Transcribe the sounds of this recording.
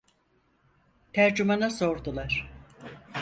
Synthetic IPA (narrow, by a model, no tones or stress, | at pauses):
t̪ʰæɾd͡ʒumanaso̞ɾd̪ulˠaɾ̥